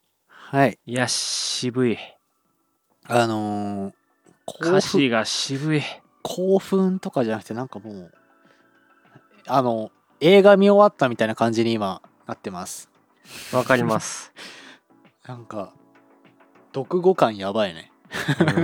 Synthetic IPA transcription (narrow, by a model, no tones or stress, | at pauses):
haijaibɯ̟i | ano̞ | kʰoiɡaɕibɯ̟i | kʰoːɸɯ̟̃nt̪o̞kaʑanakɯ̟̥t̪e̞nãŋkamo̞ː | ano̞ | e̞ːɡamʲio̞βat̪ːamʲit̪ainakãɲ̟d͡ʑiɲ̟iːma | nat̪ːe̞masɨ̥ | βakaɾʲimasɨ̥ | nãŋka | d̪̥o̞kɯ̟ɡo̞kãɰ̃jabainḛ